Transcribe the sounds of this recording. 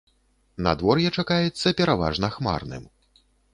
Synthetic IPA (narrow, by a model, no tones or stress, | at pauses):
nɐ̰d̪vɔrjɛt͡ʂakajɛt̪sːɐpʲɛɾava̰ʐnɐxma̰rnɨ̰m